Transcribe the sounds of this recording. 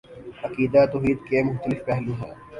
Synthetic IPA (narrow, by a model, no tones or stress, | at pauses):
ɐkiːd̪at̪oɦiːd̪kemʊxt̪əlɪfpɛɦlũɦɛ̰̃ː